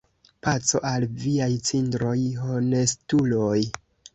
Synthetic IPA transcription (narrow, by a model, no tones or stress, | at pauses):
pat͡so̞̰ʔalviajt͡sindɾo̞jho̞ne̞stuloj